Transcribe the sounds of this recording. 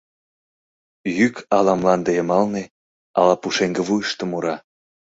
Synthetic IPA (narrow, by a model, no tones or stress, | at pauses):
jykɑlɑmlɑnd̪ejəmɑlne | ɑ̰lɑpuʃeŋɡə̆βujəʃt̪ə̆muɾɑ